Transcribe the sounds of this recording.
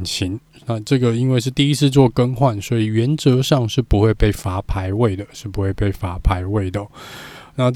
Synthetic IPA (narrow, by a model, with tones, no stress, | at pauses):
nɕʰi˨˦n | na˥˧ʈ͡ʂɤ˥˩ɡə˩i˦˥nwe˥˧ɪʂ̬ɻ̩˥˧t̪i˥˩i˦˥t͡sʰɹ̩˥˧t͡swɔ˥˧kə˥nxwa˥˨nswɔ˧˥i˨˩ɥɛ˧˥nt͡sɤ˧˥ʂɑ˥˧ŋʂɻ̩˥˩pu˧˥xwe˥˧ɪpe˥˩ɪfa˧˥pʰa˧˥ɪwe˥˩ɪd̪ə˩ʂɻ̩˥˩pu˧˥xwe˥˧ɪpe˥˩ɪfa˧˥pʰa˧˥ɪwe˥˩ɪd̪ə˩na˥˧